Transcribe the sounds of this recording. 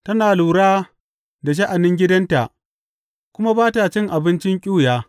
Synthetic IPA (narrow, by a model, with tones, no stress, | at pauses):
tɐ˦naː˨luː˨ɽaː˦ | da˨ʃ̬ɐ˦ʔa˨nɪ˦ŋɡʲɪ˦dɐ˦nta̰˨ʔ | kʷʊ˦ma˦baː˦ta˨t͡ʃɪ˦ŋʔa˨bɪ˦nt͡ʃɪ˦ŋkʲʼuː˦˨jaː˦